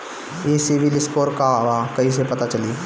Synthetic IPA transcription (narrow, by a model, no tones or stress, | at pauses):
eːsɪʋɪlɪskoːɾkaʋaːkɐis̬epɐt̪at͡ʃɐliː